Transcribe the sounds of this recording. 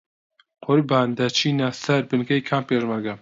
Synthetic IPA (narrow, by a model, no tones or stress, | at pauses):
qʰʊɾbaːnd̪ɐt͡ʃʰiːnasɐɾbɨnkɐjkʰaːmpeːʒmɐɾɡa